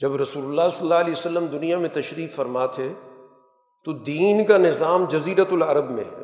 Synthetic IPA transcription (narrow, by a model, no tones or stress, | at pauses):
d͡ʒɐbɾɐsuːlʊlːasɐlːaːɐliːosɐlːəmd̪ʊnijamẽt̪ɐʃɾiːkfɐɾmat̪ʰe | t̪od̪iːnkanɪzaːmd͡ʒɐziːɾət̪ʊlɐɾəbmḛ̃